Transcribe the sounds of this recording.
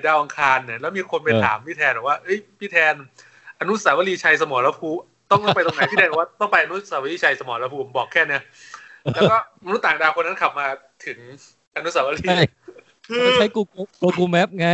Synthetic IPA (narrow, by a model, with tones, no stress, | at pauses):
daː˧wʔa˧ŋkʰaː˧nːi˧˩lɛː˦˥wmiː˧kʰo˧npa˧jt̪ʰa̰ː˩˦mpʰiː˥˩t̪ʰɛː˧nbɛː˨˩k̚waː˥˩ʔɤ˦˥˩jpʰiː˥˩t̪ʰɛː˧n | ʔa˧nu˦˥saː˩˦wa˧liː˧t͡ɕʰa˧js̬a˧mɔː˩˦laː˦˥pʰuː˧˩ | t̪ɔ˥˩ŋt̪ːɔ˩pa˧jt̪o˧na˦jpʰiː˥˧˩ɛː˧˩ɛ˨˩waː˥˩t̪ɔ˥˩ŋpa˧jʔa˧nu˦˥saː˩˦wa˧liː˦˧˥t͡ɕʰa˧jsa˧mɔː˩˦la˧˥pʰuː˦˧pʰo˩˦mbɔː˨˩kʰːɛː˥˩ni˦˥ɐ | lɛ˦˥wkɔː˥˩˧nu˦˥t̪aː˨˩ŋdaː˧wkʰo˧nːa˦˥nkʰa˨˩p̚maː˧ | t̪ʰɯ˩˦ŋ | ʔa˧nu˦˥saː˩˦wa˧liː˧˥ | t͡ɕʰa˦˥kuː˧kːkoː˧kuː˧mɛ˦˥p̚ŋa˦˥